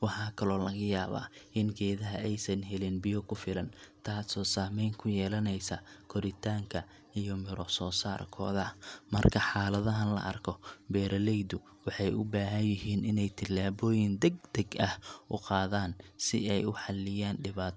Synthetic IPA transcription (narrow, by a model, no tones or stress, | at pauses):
wɑħɑːkʰɐlɔːlɐɣɐjaːβa̰ːʔɪnɡɛːðɐɦɐʔɛjsɐnɦɛlɪnbɪjɔkʰʊfɪlɐnt̪ʰaːsɔːsaːmɛjŋkʰʊjɛːlɐnɛjsɐkʰɔɾɪt̪ʰaːŋkʰɐ | ijɔmɪɾɔsɔːsa̰ːrkʰɔ̰ːðɐmɐ̰rkʰɐħɑːlɐðɐɦɐnlɐ̰ʔɐ̰rkʰɔbɛːɾɐlɛjd̪ʊ | wɑħɑjʔʊbaːɦɐnjɪɦiːnɪnɛjt̪ʰɪlːaːβɔːjɪnd̪ɛɡ̚d̪ɐɡɐhʔʊqɑːðaːnsɪ̰ɛjʊħɑlːɪjaːnɖɪβaːt̪